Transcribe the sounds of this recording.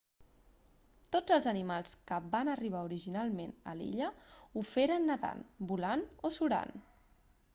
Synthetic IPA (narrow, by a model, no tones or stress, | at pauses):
t̪od͡zəlˠzənimalˠskəbanəriβ̞auɾiʒinalˠmenə̰lḭʎəufeɾənːəða̰nbulanosuɾa̰n